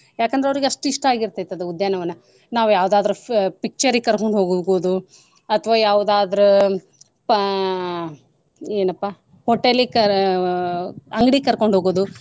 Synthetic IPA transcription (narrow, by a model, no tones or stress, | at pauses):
jaːkɐnd̪ɾeɐʋɐɾiɡeɐʂʈuiʂʈɐaːɡiɾt̪ejt̪ːɐd̪eud̪jaːnɐʋɐnːɐ | naːʋujaːʋud̪aːd̪ɐɾupik̚t͡ʃɐɾikɐɾkoɳɖɦoːɡoɡoːd̪u | ɐt̪ʰɐʋaːjaːʋud̪aːd̪ɐɾu | p | eːnɐpːa | hoʈːelikɐ | ɐŋɡɽikɐɾko̞ɳɖɦoːɡoːd̪u